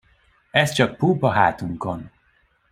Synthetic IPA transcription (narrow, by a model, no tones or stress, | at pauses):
ɛst͡ʃɒk̚puːpɒɦa̰ːt̪uŋkon